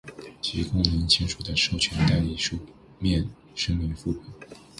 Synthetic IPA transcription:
t͡ɕʰi˧˥kʊ˥ŋni˧˥ŋt͡ɕʰi˥nʂu˨˩d̪ə˦ʂo˥˩ʊt͡ɕʰɥɛ˧˥nt̪a˥˩li˧˩ʂu˥˧ | mjɛ˥˧n | ʂə˥ŋmi˧˥fu˥˩pu˨˩˦

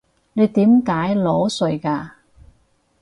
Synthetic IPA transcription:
ne˨˧jt̪iː˨˥mkaː˨˥jlɔː˨˥sɵ˨˩jkaː˧

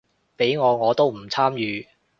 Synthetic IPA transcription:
pe˨˥jŋɔː˨˧ŋɔː˨˧t̪o˥wm̩˨˩t͡sʰaː˥mjyː˨˧

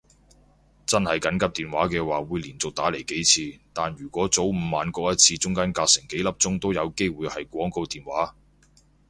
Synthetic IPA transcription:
t͡sɐ˥nhɐ˨jkɐ˨˥nkɐ˥p̚t̪iː˨nwaː˨˥kɛː˧waː˨wuː˨˧jliː˨˩nt͡sʊ˨k̚t̪aː˨˥le˨˩jke˨˥jt͡sʰiː˧t̪aː˨njyː˨˩kʷɔː˨˥t͡so˨˥wm̩˨˧maː˨nkɔː˧k̚jɐ˥t̚t͡sʰiː˧t͡sʊ˥ŋkaː˥nkaː˧k̚sɪ˨˩ŋke˨˥jlɐ˥p̚t͡sʊ˥ŋt̪o˥wjɐ˨˧wke˥jwuː˨˧jhɐ˨jkʷɔː˨˥ŋko˧wt̪iː˨˩nwaː˨˥

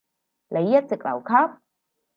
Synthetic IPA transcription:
le˨˦jːɐ˦˥t̚t͡si˨˩k̚la̰˨˩wkʰa˦˥p̚

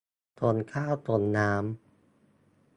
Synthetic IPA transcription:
t̪o˧nkʰaː˥˩wt̪o˧nːaː˦˥m

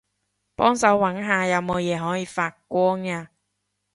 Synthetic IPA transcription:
pɔː˥ŋsɐ˨˥wwɐ˨˥nɦaː˨˧jɐ˨˧wmo˨˧wjɛː˨˧ɦɔː˨˥jiː˨˧faː˧t̚kʷɔː˥ŋaː˧

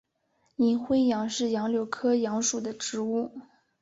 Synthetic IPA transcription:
ni˧˥nxwe˥ɪjɑ˧˥ŋʂɻ̩˥˩jɑ˧˥ŋljo˨˧˩ʊkʰɤ˥jɑ˧˥ŋʂu˨˩d̪ə˦ʈ͡ʂɻ̩˧˥u˥˩

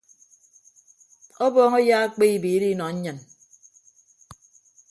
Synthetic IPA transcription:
ɔ˦bɔː˦ŋɔ˦jaː˦a˦k͡pe˦i˦biː˨˦ɾi˦nɔ˨ɲ̩˦ɲɨ˨n

